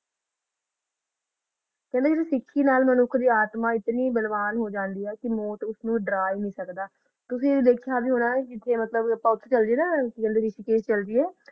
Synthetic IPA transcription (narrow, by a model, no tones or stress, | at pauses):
kɛ̃nd̪eːseːsɪkʰːiːnaːlmənʊkʰd̪iːaːt̪mãːɪt̪niːbəlʋaːnɦoːd͡ʒãːnd̪iːɛːkɪmoːʈ̪ʊsnũːɖɾaːinĩːsəkd̪aː | t̪ʊsĩːd̪eːkʰjaːbiːɦoːnaːkɪt̪ʰeːmət̪ləbəpãːʊt̪ʰːt͡ʃəld͡ʒeːnãːkɛ̃nd̪eːɾɪʃiːkeːst͡ʃəld͡ʒiːɛː